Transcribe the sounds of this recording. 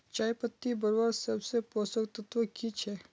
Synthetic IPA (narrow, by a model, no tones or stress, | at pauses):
t͡ʃaːjpət̪ːibəɾbaːɾsɐbsepoːsəkt̪ɐt̪ʋəkit͡ʃʰɛː